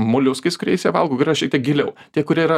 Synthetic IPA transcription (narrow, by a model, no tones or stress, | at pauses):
mʊlʲʊskɐɪskʊɾʲɛɪsʲɛʋɐlˠɡoːkɐʃʲɛɪk̚tʲiɛk̚ɡʲɪlʲɛʊt̪ʲiɛkʊɾʲiɛiɾɐ